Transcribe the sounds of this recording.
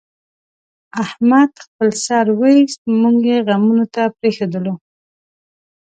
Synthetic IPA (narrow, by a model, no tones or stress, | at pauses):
ahmad̪xpəlsɑɾwəist̪muŋɡjeɣamunot̪apɾexod̪əlo